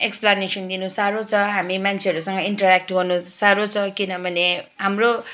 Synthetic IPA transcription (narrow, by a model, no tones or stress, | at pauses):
eksplanesʌnd̪inusaɾot͡sʰʌɦamimant͡sʰeɦʌɾusʌŋɡʌiɳʈʌɾak̚ʈɡʌrnusaɾot͡sʰʌkinʌbʱʌneɦamro